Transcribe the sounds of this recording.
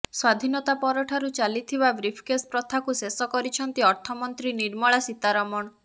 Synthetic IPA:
swad̪ʱinɔt̪apɔɾɔʈʰaɾut͡ʃalit̪ʰibabɾipʰkespɾɔt̪ʰakusesɔkɔɾit͡ʃʰɔnt̪iɔɾt̪ʰɔmɔnt̪ɾiniɾmɔɭasit̪aɾɔmɔɽ̃

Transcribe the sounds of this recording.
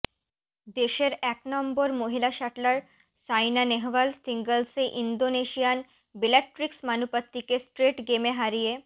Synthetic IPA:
d̪eɕeɾɛknɔmbɔɾmoɦilaɕaʈlaɾ | sajnaneɦʋəlsiŋɡəlseʔind̪oneɕijan | bileʈɾiksmanupət̪ːikesʈɾeʈɡemeɦaɾije

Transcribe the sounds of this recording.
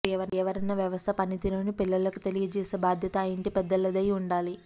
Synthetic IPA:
ɛʋɐɾɛʋɐɾɐnːɐʋjɐʋɐst̪ʰɐpɐnit̪iloːnipilːɐlɐkut̪e̞lijɐt͡ʃɛːseːbaːd̪ʱjɐt̪ɐiɳʈipɛd̪ːɐlːɐd̪ɐjuɳɖaːli

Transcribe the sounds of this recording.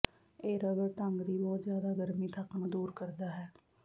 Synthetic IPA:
eːɾəɡəɾʈəŋɡd̪iːbɔːt̪zjaːd̪aːɡəɾmiːt̪ʰəknd̪uːɾkəɾd̪aːɦɛː

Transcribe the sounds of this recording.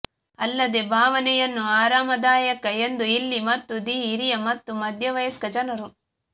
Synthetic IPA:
ɐlːɐd̪ebʱaːʋɐnɛjɐnːuaːɾaːmɐd̪aːjɐkɐe̞nd̪uilːimɐt̪ːud̪iːɾijɐmɐt̪ːumɐd̪ʱjɐʋɐjɐskɐd͡ʒɐnɐɾu

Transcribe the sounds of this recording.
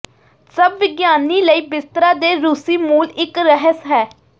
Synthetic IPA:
səbʋɪɡjaːniːləiːbɪst̪ɾaːd̪eːɾuːsiːmuːlɪkɾəɦəsɦɛː

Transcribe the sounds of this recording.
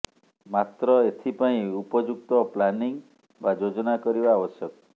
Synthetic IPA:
mat̪ɾɔet̪ʰipaĩupɔd͡ʒuk̚t̪ɔplaniŋ | bad͡ʒod͡ʒɔnakɔɾibaːbɔsjɔk

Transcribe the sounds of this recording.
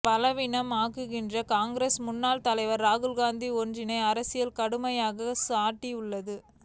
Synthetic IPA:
pɐlɐʋɪɳɐmaːɣɯɣɪndrɐkaːŋɡɾeːsmʊnːaːlt̪ɐlɐɪʋɐɾːaːɣɯlɣaːnd̪iɔnd͡ʒrɪnɐɪɐɾɐsɪjɐlkɐɽɯmɐjaːɣɐsaːʈːiʊɭːɐðɯ

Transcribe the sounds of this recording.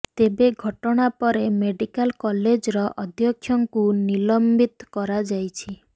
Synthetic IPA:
t̪ebeɡʱɔʈɔɽ̃apɔɾemeɖikalkɔled͡ʒɾɔʔɔd̪ʱjɔkʰjɔŋkunilɔmbit̪kɔɾad͡ʒajt͡ʃʰi

